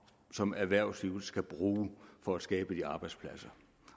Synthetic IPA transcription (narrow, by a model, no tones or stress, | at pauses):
sɒ̽mæʋæɐ̰sliʊl̩sɡ̥æb̥ʁuːfɒ̽æ̥sɡ̥ɛːb̥əd̥iɑ̈ːb̥ɑ̈ɪd̥spʰlæsɐ